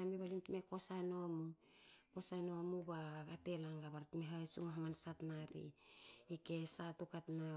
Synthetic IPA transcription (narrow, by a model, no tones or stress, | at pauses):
amiβalintmeko̞sanoamukosanoamubaɡate̞laŋɡaβaɾatmeɦasuŋaɦamansatnaɾḭike̞satukatna